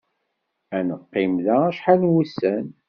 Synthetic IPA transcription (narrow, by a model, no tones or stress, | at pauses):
ænəqːimðææʃħalnwusːæn